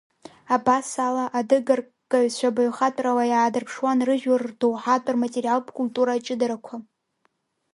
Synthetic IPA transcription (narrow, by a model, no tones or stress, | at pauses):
abasalaʔadɨɡar | kʼaɥt͡ɕʷʰabaɥχatʼrawajaːdɨrpʰʂwanrɨʒᶣardowħatʼarmatʼerijalpʰʼkʼultʼuɾat͡ʃʼɪdaɾakʷʰa